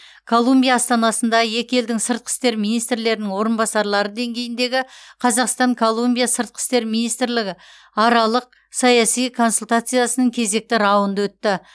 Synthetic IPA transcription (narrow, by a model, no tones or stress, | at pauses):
kʰo̞lˠːumbʲijaːst̪ɑnɑsənd̪ɑje̞kʲɪe̞ld̪ɪŋsəɾt̪̚qʰə̥st̪e̞ɾminijst̪ɾle̞ɾɪnɪŋwo̞ɾənbɑsɑɾlˠɑɾəd̪e̞ŋɡʲe̞jɪnd̪e̞ɡʲɪqʰɑzɑqst̪ɑŋkʰo̞lˠːumbʲijasəɾt̪̚qʰɪ̥st̪e̞ɾminijst̪ɾlɪɡʲɪ | ɑɾɑlˠəq̚ | sɑjɑsijkʰo̞nsulʲt̪at̪sɨjasənəŋkʲʰe̞ze̞k̚t̪ɪɾɑwənd̪əwɵt̪ːɪ